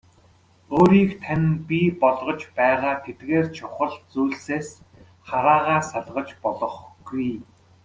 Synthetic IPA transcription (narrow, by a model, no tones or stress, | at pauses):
oːɾiːkt̪ʰanʲpʲipɔɮʁɞ̆t͡ɕpæːʁaːt̪ʰet̪ɡeːrt͡ɕʰʊχə̆ɮt͡suːɮseːs | χaɾaːʁaːsaɮʁə̆t͡ɕpɔɮɞ̆χɡ̥uj